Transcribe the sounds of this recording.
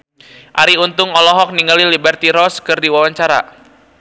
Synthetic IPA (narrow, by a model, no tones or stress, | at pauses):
ʔaɾiunt̪ʊŋɔlɔɦɔk̚niŋalilibɛrt̪iɾɔskɨrdiwawaɲt͡ʃaɾa̰